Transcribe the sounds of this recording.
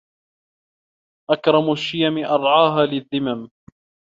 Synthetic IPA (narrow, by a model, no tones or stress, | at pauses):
ʔakɾˤɑmʊʃːɪjamɪʔɑɾˤʕɑːɦaːlɪðːɪmam